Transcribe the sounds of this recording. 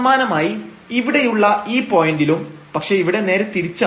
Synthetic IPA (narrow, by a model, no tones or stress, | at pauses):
maːnɐmaːji | iʋiɽe̞juɭːɐiːpo̞ːjendilumpɐkʂe̞iʋiɽe̞ne̞ːɾet̪iɾit͡ɕːɐ